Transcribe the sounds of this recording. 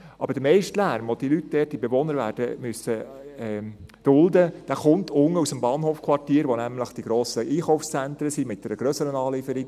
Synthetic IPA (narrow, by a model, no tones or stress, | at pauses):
ʔɑb̥əɾd̥əmɛɪʃtlæɾmʋod̥ilytd̥ɛːt̚d̥ibeʋonəɾʋæːɾd̥əmyəsə | ɛd̥ʊld̪əd̥æːχʊnt̪ʰʊŋəusəmbɑːnɦoːfkʰvɑrtiːɾʋonæmləχd̥iɡɾoːsəʔiːχɔʊfst͡sænt̪ɾəsimɪt̚d̥ɛɾəɡɾøːsəɾənɑːlifəɾi